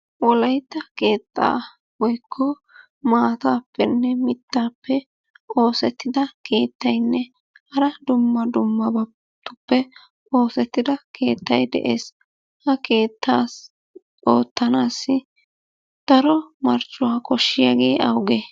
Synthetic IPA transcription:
wɔlɐjt̪ːɐke̞ːt̪ʼːa̰ː | wɔjkʰːɔ | maːt̪aːpːɛnːɛmɪt̪ːaːpːɛ | o̞ːsɛt̪ːɪd̪ɐke̞ːt̪ːɐjnːɛ | hɐɾɐd̪ʊmːɐd̪ʊmːɐbɐ | t̪ːʊpːɛ | o̞ːsɛt̪ːɪd̪ɐkʰe̞̰ːt̪ːɐjd̪ɛ̰ʔe̞ːs | hɐkʰe̞ːt̪ːaːs | ʔo̞ːt̪ːɐnaːsːɪ | d̪̥ɐɾɔmɐɾt͡ʃʼːʊwaːkɔʃːɪjaɡeːʔɐwɡe

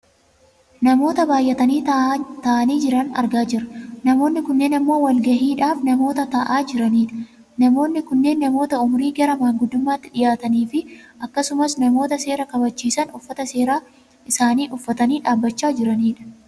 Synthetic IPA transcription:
nɐmo̞ːt̪ɐbaːjʔɐt̪ɐniːt̪ɐʔɐniːd͡ʒɪɾɐnɐ̰ɾɡaːd͡ʒɪɾɐnɐmo̞ːnːɪkʊnːe̞ːnɐmːo̞ːwɐlɡɐhiːᶑaːfnɐmo̞ːt̪ɐt̪ɐʔaːd͡ʒɪɾɐniːᶑɐ̥ | nɐmo̞ːnːɪkʊnːe̞ːnːɐmo̞ːt̪ɐʊmʊɾiːɡɐɾɐmaːŋɡʊd̪ʊmːaːt̪ːɪᶑɪjaːt̪ɐniːfɪʔɐkːɐsʊmɐsnɐmo̞ːt̪ɐse̞ːɾɐkɐbɐt͡ʃːiːsɐnʊfːɐt̪ɐseːɾaː | ʔɪsaːniːʔʊfːɐt̪ɐniːᶑaːbːɐt͡ʃːaːd͡ʒɪɾɐniːᶑɐ̥

